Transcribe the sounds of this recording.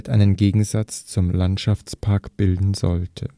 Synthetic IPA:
tʔaɪnənɡeːɡŋ̩zat͡st͡sʊmlantʃaft͡spʰaɐkb̥ɪldn̩zɔ̰ltʰə

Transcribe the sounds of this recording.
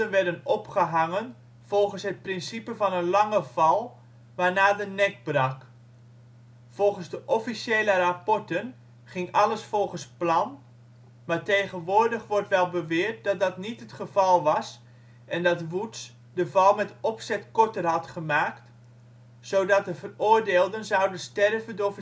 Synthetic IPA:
ənʋɛɹdənɔpχəɦaŋən | v̥ɔlˠχənsɦət̚prɪnsipəvɑnənlɑŋəv̥ɑlˠ | ʋaːrnaːdənɛk̚brɑk | v̥ɔlˠχənzdəʔɔfisjeːlərapɔɹtən | χɪŋɑləsfɔlˠχənsplɑn | maːɹtejχənʋʊːrdəχʋɔrtʋɛlˠbəʋɪərt̚dɑt̚dɑtnitɦətχəv̥ɑlˠʋɑs | ʔɛndɑtʋuts | dəvɑlˠmɛtɔpsɛtkɔɹtərɦɑtχəmaːkt | soːdɑt̚dəvərʊːrdeːlˠdənzawdənstɛrvəndov

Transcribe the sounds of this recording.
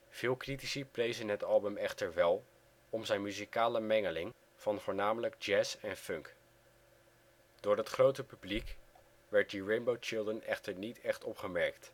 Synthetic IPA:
v̥ɪːlˠkritisəplejzənɦətɑlˠbəmɛχtəɹʋɛlˠ | ɔmzɛjnmyzikaːləmɛŋəlɪŋ | v̥ɑnvʊːɹnaːmələɡ̚d͡ʒɛːsɛnfɵŋk | d̥ʊːɹɦətχrowtəpyblik | ʋɛɹt̚diɹejmbowt͡ʃɪlˠdənɛχtəɹnitɛχtɔpχəmɛɹkt

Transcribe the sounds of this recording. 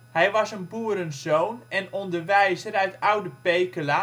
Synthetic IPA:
hɛjʋɑsənbuːɾənzoːnɛnɔndərʋɛjzəɾœɥtʰawdəpejkəla

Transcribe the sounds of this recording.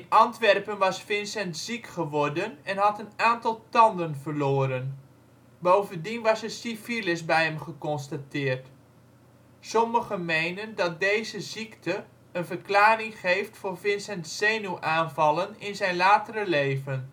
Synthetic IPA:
ənʔɑntʋɛrpənʋɑsfɪnsɛntz̥ikχəʋɔrdənɛnɦɑtənaːntɑlˠtɑndənvərloːɾən | bowvəndinʋɑsəsifilɪsbɛjɦɛmχəkɔnstatɪːrt | sɔməχənmejnəndɑt̚dejzəziktə | ənvərklaːrɪŋχejftfʊːrvɪnsɛntsejnuʔaːnvɑlˠənɪnzɛjnlaːtərəlejvən

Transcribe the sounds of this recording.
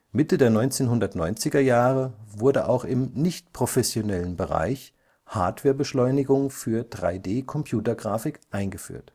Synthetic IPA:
mɪtədeːɐnɔʏnt͡seːnɦʊndɐtnɔʏnt͡sɪɡɐjaːʁəvʊɐdəʔa̰ʊxɪmnɪçtpʁ̥ofɛsjonɛlənbəʁa̰ɪç | ha̰ːɐtv̥ɛːɐbəʃlɔʏnɪɡʊŋfyːɐdʁa̰ɪdeːkʰɔmpʰj̥uːtɐɡʁaːfɪkʔaɪnɡəfy̰ːɐt

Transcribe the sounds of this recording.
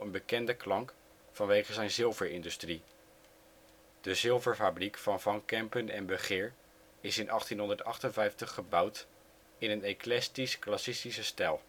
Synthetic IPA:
ənbəkɛndəklɑŋk | fɑnʋejχəzɛjnzɪlˠvəɹɪndystri | d̥əzɪlˠvəɹfabrikfɑnvɑŋkɛmpənɛnbəχɪːɹ | ɪsɪnʔɑχtinɦɔndəɹtɑχtənvɛjftəχːəbʌwt | ɪnəneklɛstisklasɪstisəstɛlˠ

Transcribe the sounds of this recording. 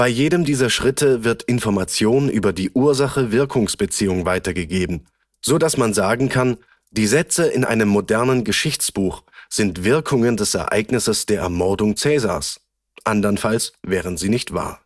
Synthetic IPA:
b̥aɪjeːdəmdiːzɐʃʁ̥ɪtʰəvɪɐtʔɪnfɔɐmat͡sjoːnʔy̰ːbɐdiːʔuːɐzaχəvɪɐkʰʊŋsb̥ət͡siːʊŋvaɪtɐɡəɡeːbm̩ | z̥odasmanzaːɡŋ̩kʰan | d̥iːzɛt͡səʔɪnʔa̰ɪnəmːodɛɐnənɡəʃɪçt͡sb̥uːxz̥ɪntv̥ɪɐkʰʊŋəndɛsɛ̰ɐʔa̰ɪɡnɪsəsd̥eːɐʔɛ̰ɐmɔɐdʊŋt͡sɛːza̰ːs | ʔandɐnfalsvɛːʁ̞ənziːnɪçtv̥a̰ːɐ

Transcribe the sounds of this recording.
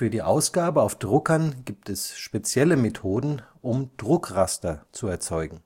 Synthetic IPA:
fyːɐdiːʔaʊsɡ̥aːbəaʊfd̥ʁʊkɐnɡiːp̚tɛsʃpet͡sjɛləmetʰoːdn̩ʔʊmd̥ʁʊkʁastɐt͡suɛɐt͡sɔʏɡŋ̩

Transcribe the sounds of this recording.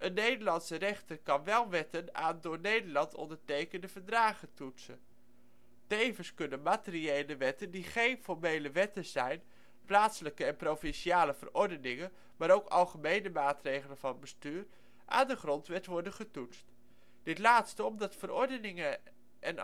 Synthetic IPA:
ʔənːejdəɹlɑnsərɛχtərkɑnʋɛlˠʋɛtəna̰ːndʊːɹnejdəɹlɑntɔ̰ndəɹtejkəndəvəɹdraːχətutsən | tejvənskɵnənmaːtɪriejləʋɛtəndiχejnfɔɹmejləʋɛtəz̥ɛjn | plaːtsələkəɛnprowfɪnʃiaːləv̥ə̰rɔɹdənɪŋən | maːɾowkɑ̰lˠχəmejnəmaːtrejχələnvɑnbəstyːr | ʔa̰ːndəχrɔntʋɛtʋɔɹdənχətutst | d̥ɪtlaːtstəɔmdɑtfəɾɔɹdənɪŋə | ʔɛn

